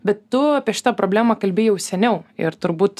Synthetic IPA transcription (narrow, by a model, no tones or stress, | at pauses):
bʲɛt̪ːʊɐpʲiɛʃʲɪ̥t̪ɐpɾoːbʲlʲæːmɐkɐlʲbʲɪjɛʊsʲɛnʲɛʊɪ̰ɾt̪ʊɾbuːt̪